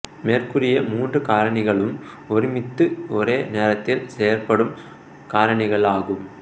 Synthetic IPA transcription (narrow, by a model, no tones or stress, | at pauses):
meːrkɯrɪjɐmuːndrɯkaːɾɐɳɪɣɐɭɯm | ɔɾɪmɪt̪ːɯɔɾeːneːɾɐt̪ːɪlseːɐɾpɐɽɯm | kaːɾɐɳɪɣɐɭaːɣɯm